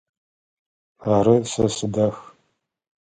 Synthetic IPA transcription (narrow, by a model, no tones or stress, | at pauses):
aɾɨsɐsɨdɐx